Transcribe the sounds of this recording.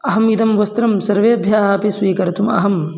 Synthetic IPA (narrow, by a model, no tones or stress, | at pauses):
ɐɦɐmid̪ɐmʋɐst̪ɾɐmsɐɾʋeːɐbʱjaːɦɐpesʋiːkɐɾɐt̪umɐ̰ɦɐm